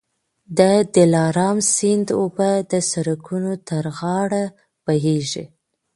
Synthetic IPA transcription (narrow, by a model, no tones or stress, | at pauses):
d̪əd̪ɪlɑɾɑmsɪnd̪obad̪əsaɾakʰunot̪əɾɣɑɽa | baɦeʒi